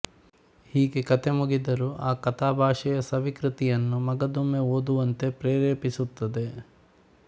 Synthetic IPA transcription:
hiːɡe̞kɐt̪ʰe̞muɡid̪ɐɾuʔaːkɐt̪ʰaːbʱaːʂɛjɐsɐʋikɾit̪ijɐnːumɐɡɐd̪umeoːd̪uʋɐnt̪e̞pɾeːɾeːpisut̪ːɐd̪e̞

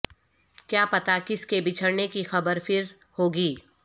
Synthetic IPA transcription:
kjaːpɐt̪akɪskebɪt͡ʃʰəɽnekixɐbəɾfɪɾ | hoːɡiː

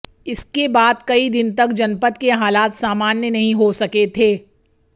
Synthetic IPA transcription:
ɪskebaːd̪kɐid̪ɪnt̪ɐkd͡ʒɐnpət̪keɦaːlaːt̪saːmaːnjənɐɦĩɦosɐket̪ʰeː

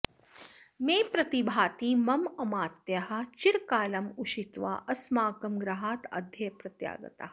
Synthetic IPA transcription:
meːpɾɐt̪ibʱaːt̪imɐmɐmaːt̪jɐɦɐ̆t͡ʃiɾkaːlɐmuʃit̪ʋa̰ʔɐsmaːkɐmɡɾɐɦaːt̪ɐ̰d̪ʱjɐjpɾɐt̪ja̰ːɡɐ̰t̪a̰

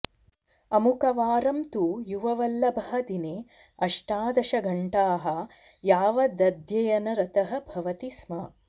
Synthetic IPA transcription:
ɐmukɐʋaːɾɐmt̪uːjuʋɐʋɐlːɐbʱɐɦɐd̪ineː | ɐʂʈaːd̪ɐʃɐɡʱɐɳʈaːɦɐ | jaːʋɐd̪ɐd̪jɐjɐnɐɾɐt̪ɐɦɐ̆bʱɐʋɐt̪ismɐ

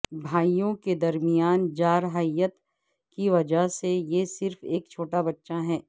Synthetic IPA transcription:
bʱaːijõked̪ɐɾmijaːnd͡ʒaːɾɦəjət̪ | kiʋɐd͡ʒəɦsejesɪɾfeːkt͡ʃʰoːʈabɐtːʃaɦɛː

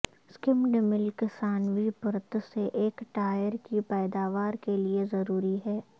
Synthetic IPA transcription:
skɪmɖɪmɪlkɪsaːnʋipʊɾət̪seʔeːkʈaːjəɾkipɛːd̪aːʋaːɾkeliezɐɾuːɾiɦɛː

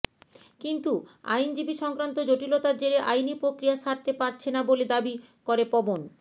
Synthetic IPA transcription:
kint̪ua̰jnd͡ʑibiʃɔŋkɾant̪od͡ʑoʈilot̪aɾd͡ʑeɾeʔajnipɾokɾijaʃaɾt̪epaɾt͡ɕʰenaboled̪abi | koɾepɔbon

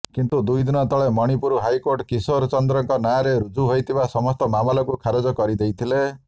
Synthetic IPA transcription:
kint̪ud̪ujd̪inɔt̪ɔɭemɔɽ̃ipuɾuɦajkoɾʈkisoɾt͡ʃɔnd̪ɾɔŋkɔnajaɾeɾud͡ʒuɦojt̪ʰibasɔmɔst̪ɔmamɔlɔkukʰaɾɔd͡ʒɔkɔɾid̪ejt̪ʰile

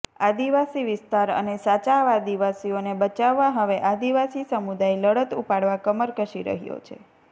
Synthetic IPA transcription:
ad̪iʋasiʋɪst̪aɾə̰nesat͡ʃaʋad̪iʋasionebət͡ʃaʋːaɦəʋeʔad̪iʋasisəmud̪ajləɽət̪upaɽʋakəməɾkəʃiɾə̰ɦijo̰t͡ʃʰḛ

